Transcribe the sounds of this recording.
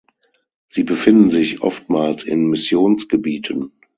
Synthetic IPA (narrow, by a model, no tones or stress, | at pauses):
z̥iːbəfɪndn̩zɪçʔɔ̰ftmaːlsɪ̰nmɪsjoːnsɡ̥əbiːtʰən